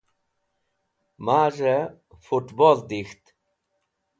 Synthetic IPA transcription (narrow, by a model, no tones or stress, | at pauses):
maːʐe | fuʈbold̪ixt̪